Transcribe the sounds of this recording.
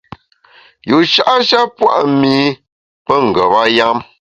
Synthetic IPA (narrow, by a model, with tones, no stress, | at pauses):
ju˨ʃa˦ʔa˦ʃa˦pwa̰˦ʔmiː˨˦ | pə˦ŋ̩˨ɡə˨ba˦ja˦m